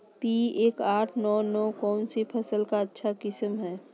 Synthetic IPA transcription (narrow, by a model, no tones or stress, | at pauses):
piːeːkaːʈʰnɔːnɔːkɔːnsipʰəsəlkaətːʃʰakɪsəmɦɛː